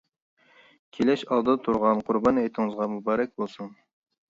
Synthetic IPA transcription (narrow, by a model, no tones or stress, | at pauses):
kʲʰelɛʃɑlˠd̪ɨt̪ʰuɾʁɑnqʰʊɾbɑnejt̪ʰɪŋɨzʁɑmubɑːɾɛk̚ʲbolˠsuŋ